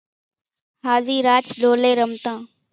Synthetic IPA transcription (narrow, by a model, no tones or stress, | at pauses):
ɦaːziːɾaːt͡ʃɗoːleːɾəmt̪ãː